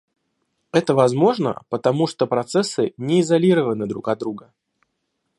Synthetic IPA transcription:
ɛt̪əvɐzmo̞ʐnə̰pət̪ɐmuʂt̪opɾɐt̪sɛsːɨnʲɪɪzɐlʲiɾəvənɨd̪ɾukɐd̪ɾuɡə

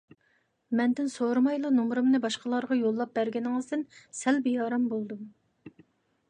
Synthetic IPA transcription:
mɛnd̪ɪnsoɾɨmɑjlˠunumɾɨmnɨbɑʃqəlˠɑɾʁɑjolˠːɑp̚bæɾɡʲɛnɪŋɨzd̪ɪnsɛlbijɑːɾɑmbolˠd̪um

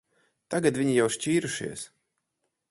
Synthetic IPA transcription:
t̪aɡat̪vʲiɲijawʃt͡ʃʲiːɾuʃḭɛs

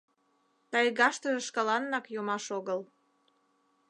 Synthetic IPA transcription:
t̪ɑjɣɑʃt̪əʒeʃkɑlɑnːɑkjomɑʃoɣəl

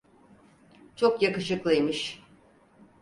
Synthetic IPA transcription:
t͡ʃʰokjakɯʃɯklˠɯjmɯʃ

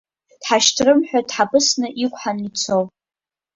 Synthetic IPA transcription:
d̥ħaʃtʰrɨmħʷᶣadħapʼɨsnɨʔikʷʼħanit͡sʰowp

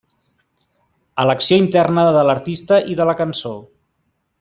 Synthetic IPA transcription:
ələksioint̪ɛrnəðələɾt̪ist̪əʔiðələkənso

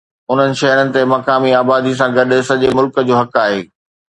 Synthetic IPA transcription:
ʊn̤ənɪ̆ʃɐɦɾənɪ̆t̪emɐkaːmiaːbaːd̪is̬ãɡɐɗsɐʄemʊlkə̆d͡ʑoːɦɐkaːɦeː

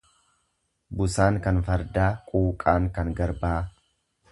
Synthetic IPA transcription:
bʊsaːŋkɐnfɐɾd̪aːkʼuːkʼaːŋkɐŋɡɐɾbaː

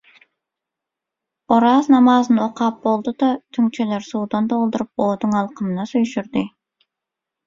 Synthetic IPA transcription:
oɾɑznɑmɑzɯnoqʰɑp̚bolˠd̪ud̪ɑt̪ʰyŋt͡ʃʰeleɾsuːd̪ɑnd̪olˠd̪uɾup̚oːd̪uŋɑlˠqəmɨnɑsyjʃyɾd̪ɪ

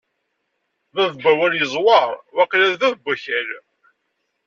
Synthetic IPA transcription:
ðæðbæwæljəzˤwɑɾˤwæqlæɾðæðbæçæl

